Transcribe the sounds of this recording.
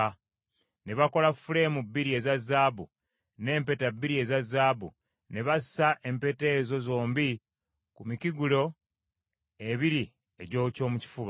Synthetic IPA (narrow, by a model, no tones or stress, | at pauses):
ne̞βako̞lafule̞mubːiɾie̞zazːaːbṵ | ne̞ːmpe̞tabːiɾie̞ːzazːaːbṵ | ne̞βasi̥saʔe̞mpe̞te̞ːzo̞zo̞ːmbi | kumiciɡulo̞ | eβiɾi | e̞ɟo̞ːco̞ːmuci̥fuβa